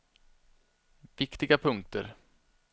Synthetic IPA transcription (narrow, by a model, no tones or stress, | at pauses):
vɪkt̪ɪɡapʰɵŋk̚t̪ə̰ɾ